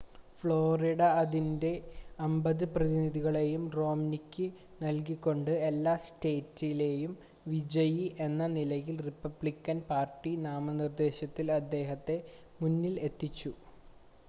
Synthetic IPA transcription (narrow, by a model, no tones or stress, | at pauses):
fɭo̞ːriɽɐɐðinde̞ɐmbɐðɨprɐðiniðiɣɐɭe̞jumro̞ːmnikʲːɨ | nɐlkikʲːo̞ɳɖɨe̞lːaːste̞ːtːile̞ːjum | ʋid͡ʑɐjiʔe̞nːɐnilɐjilripːɐbɭikʲːɐnpaːrʈːinaːmɐnird̪e̞ːɕɐt̪ːilɐd̪ːe̞ːɦɐt̪ːe̞ | munːile̞t̪ːit͡ɕːu